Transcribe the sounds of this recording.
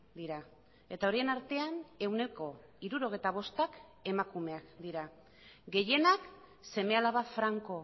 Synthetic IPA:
d̪iɾa | e̞t̪ao̞ɾie̞naɾt̪e̞ane̞wne̞ko̞ | iɾuɾo̞ɣ̞ejt̪aβ̞o̞st̪ak | e̞makume̞akd̪iɾa | ɡe̞je̞nak | se̞me̞alaβafɾaŋko̞

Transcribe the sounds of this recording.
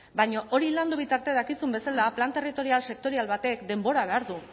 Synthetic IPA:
bajɲo̞ʔo̞ɾiland̪uβ̞it̪aɾt̪e̞ðakisumbe̞salaplant̪e̞rit̪o̞ɾialse̞k̚t̪o̞ɾialβat̪e̞kd̪e̞mbo̞ɾaβ̞e̞aɾðu

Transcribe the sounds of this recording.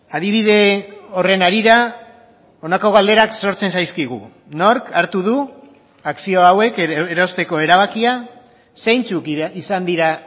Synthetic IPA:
aðiβ̞ið̞e̞o̞re̞naɾiɾa | o̞nako̞ɣ̞ald̪e̞ɾakso̞ɾt͡se̞nsajskiɣ̞u | no̞ɾkaɾt̪uð̞u | aksio̞awe̞keɾo̞st̪e̞ko̞e̞ɾaβ̞akia | sejnt͡sukisand̪iɾa

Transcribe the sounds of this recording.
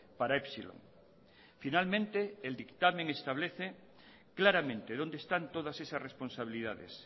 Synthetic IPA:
paɾaepsilo̰ŋ | finalmẽnt̪eːld̪ikt̪amẽŋest̪aβleθe | klaɾamẽnt̪eðond̪est̪ant̪oðasesasresponsaβ̞iliðaðḛs

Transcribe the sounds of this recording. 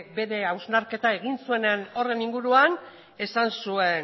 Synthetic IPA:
be̞ɾe̞awznaɾke̞t̪ae̞ɣ̞insue̞neno̞re̞niŋɡuɾuan | e̞sansue̞n

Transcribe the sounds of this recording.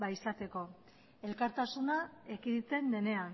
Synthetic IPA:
baisat̪e̞ko̞ | e̞lkaɾt̪asunaekiðit̪e̞nd̪e̞ne̞an

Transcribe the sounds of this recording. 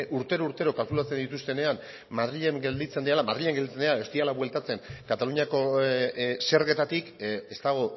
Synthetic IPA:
ʔuɾt̪e̞ɾouɾt̪e̞ɾo̞kalkulat͡send̪it̪ust̪e̞ne̞am | mað̞ɾiʎe̞ŋɡe̞ld̪it͡se̞nd̪ialamað̞ɾiʎeŋɡeld̪it͡send̪eaest̪ialaβwe̞lt̪at͡se̞ŋkat̪aluɲiako̞ | se̞ɾɣe̞t̪at̪ike̞st̪aɣ̞o̞

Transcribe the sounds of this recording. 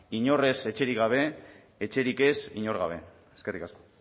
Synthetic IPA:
iɲo̞re̞se̞t͡ʃe̞ɾikɣɡaβ̞e̞ | et͡ʃe̞ɾike̞siɲo̞ɾɣaβ̞e̞̰ | eskerikasko̞

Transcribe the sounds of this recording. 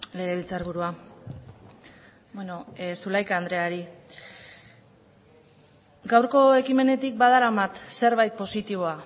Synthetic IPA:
le̞ɣe̞β̞ilt͡saɾβuɾua | bweno̞sulajkaːnd̪ɾe̞aɾi | ɡawɾko̞e̞kime̞ne̞t̪ik̚baðalamat̪se̞ɾβajt̪̚po̞sit̪iβ̞o̞a

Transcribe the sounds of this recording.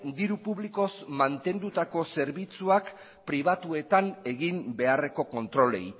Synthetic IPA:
d̪iɾupuβliko̞zmant̪e̞nd̪ut̪ako̞se̞ɾβit͡suak | pɾiβ̞at̪ue̞t̪ane̞ɣimbe̞are̞ko̞ko̞nt̪ɾo̞le̞̰j

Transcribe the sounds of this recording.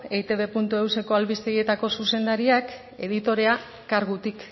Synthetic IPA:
ejt̪e̞βe̞punt̪ue̞wse̞ko̞alβist̪eje̞t̪ako̞suse̞nd̪aɾiak | e̞̰ðit̪o̞ɾe̞a | kaɾɣut̪ik

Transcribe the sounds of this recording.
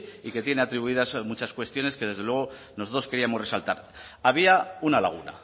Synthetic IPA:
ike̞t̪je̞ne̞at̪ɾiβuiðazmut͡ʃaskwe̞st̪jo̞ne̞ske̞ðe̞zðewe̞ɣ̞o̞ | noso̞t̪ɾoske̞ɾiamore̞salt̪a̰ɾ | aβ̞iaunalaɣ̞una̰

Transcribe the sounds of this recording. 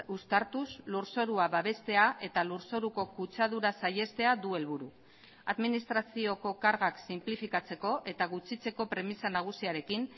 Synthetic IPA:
ust̪aɾt̪uzluɾso̞ɾuaβaβe̞st̪e̞aʔe̞t̪aluɾso̞ɾuko̞kut͡sað̞uɾasaje̞st̪e̞ad̪ue̞lβuɾu | aðminist̪ɾasio̞ko̞kaɾɣaksimplifikat͡se̞ko̞ʔe̞t̪aɣut͡sit͡se̞ko̞pɾe̞misanaɣ̞usiaɾe̞kin

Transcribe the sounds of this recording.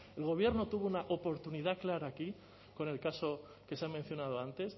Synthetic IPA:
e̞lɣ̞o̞β̞je̞ɾno̞t̪uβounaʔopo̞ɾt̪uniðaklaɾaːki | ko̞ne̞lkaso̞ | ke̞seamen̟θjo̞nað̞oant̪e̞s

